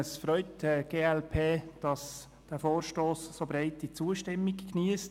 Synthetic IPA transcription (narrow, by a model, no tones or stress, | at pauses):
əsfɾœʏtdəɡ̥eːɛlpʰeːd̥ɑs | d̥æːfoːɾʃtoːssobɾaɪtit͡suəʃtɪmːikkniəst